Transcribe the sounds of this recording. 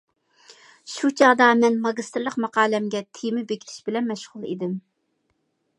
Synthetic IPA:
ʃut͡ʃʰɑʁd̪ɑmɛnmɑɡʲist̪ɾlˠəqmɑqɑːlɛmɡʲɛt̪ʰijmɪbekʲʰi̥t̪ʰɪ̥ʃbɪlɛnmɛʃʁʊlˠḭd̪ɪm

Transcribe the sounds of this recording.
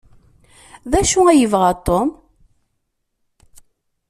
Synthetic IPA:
ðæʃuæjəvʁat̪ˤːom

